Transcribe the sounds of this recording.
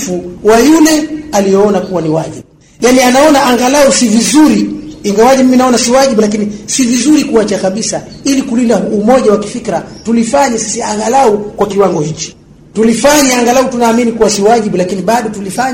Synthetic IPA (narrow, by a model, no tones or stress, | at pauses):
fuwajulɛalijɛɔnakuwaniwaʄiɓu | janianaɔnaʔaŋɡalausivizuɾiiŋɡawaɲimiminaɔnasiwaʄiɓulak̬inisivizuɾikuwat͡ʃakaɓisa | ilikulindaumɔʄawaki̥fikɾatulifaɲisi̥siaŋɡalaukwakiwaŋɡɔhit͡ʃi̥ | tulifaɲaaŋɡalautunaːminikuwasiwaʄiɓulakiniɓaɗɔtulifaɲ